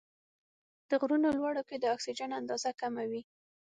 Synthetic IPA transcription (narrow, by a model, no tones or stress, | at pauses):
d̪̥əɣɾunolwaɽoked̪əɑksid͡ʒanand̪ɑzakamawi